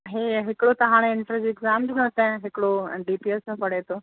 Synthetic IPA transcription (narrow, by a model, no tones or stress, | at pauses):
ɦeːɦɪkɽot̪ɐɦaːɽ̃eɪnʈɾad͡ʑiɪɡzaːmdɪnõt̪ɐ̃ɦɪkɪɽoɖiːpiesãpɐɽ̤et̪ʰoː